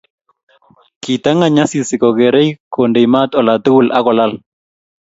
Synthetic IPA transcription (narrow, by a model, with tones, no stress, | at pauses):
ki˨t̪a˦ŋa˨ɲa˦si˨si˨kɔ˨ɡɛ˨ɾɛ˦jkʰo˨nde˨ma˦t̪ɔ˨la˨t̪u˦wu˦˨lʔa˦kɔ˨la˦˨l